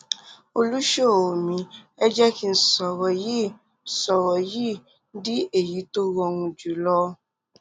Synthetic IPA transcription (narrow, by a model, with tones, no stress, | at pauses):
o˧lu˦ʃo˦˨o˨mĩ˧ɛ˦d͡ʒɛ˦ki˦˧n̩˦sɔ˨wɔ˨ji˦˨ | sɔ˨wɔ˨ji˦ | di˦e˦˨ji˨˦to˦wɔ˧ŋũ˧d͡ʒu˨˦lɔ˦